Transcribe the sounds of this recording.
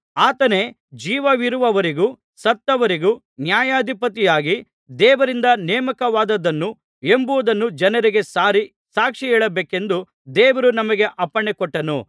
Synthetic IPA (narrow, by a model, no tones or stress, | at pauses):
aːt̪ɐne̞ | d͡ʒiːʋɐʋiɾuʋɐʋɐɾiɡu | sɐt̪ːɐʋɐɾiɡu | njaːjaːd̪ʱipɐt̪ijaːɡi | d̪ɛːʋɐɾind̪ɐnɛːmɐkɐʋaːd̪ɐd̪ɐnːu | e̞mbuʋɐd̪ɐnːud͡ʒɐnɐɾiɡesaːɾi | saːkʂiɛːɭɐbeːke̞nd̪u | d̪ɛːʋɐɾunɐmɐɡe̞ʔɐpːɐɳekɔʈːɐnu